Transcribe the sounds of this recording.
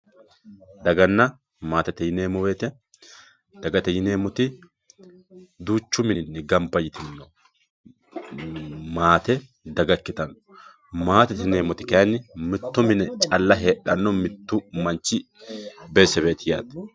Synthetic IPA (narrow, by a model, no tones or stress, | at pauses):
d̪ɐɡɐnːɐ | maːt̪ɛt̪ɛjɪne̞ːmɔbeːt̪ɛ | d̪̥ɐɡɐt̪ɛjɪne̞ːmɔt̪ɪ | d̪uːt͡ʃːʊmɪnːɪɡɐmpːɐjɪt̪ɪnːɔ | maːt̪ɛ | d̪ɐɡɐkːɪt̪ɐnɔ | maːt̪ɛt̪ɪneːmɔt̪ɪkɐjɐnːɪmɪt̪ːʊmɪnɛt͡ʃʼɐlːɐɦe̞ːᶑɐnːɔmɪt̪ːʊmɐnt͡ʃːɪ | beːsːɛbe̞ːt̪ɪja̰ːt̪ɛ̥